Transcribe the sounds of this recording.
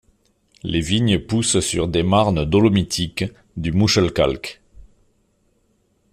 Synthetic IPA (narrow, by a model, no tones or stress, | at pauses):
leviɲəpussyʁd̪emaʁnəd̪ɔlɔmit̪ʰik | d̪ymuʃəlka̰lk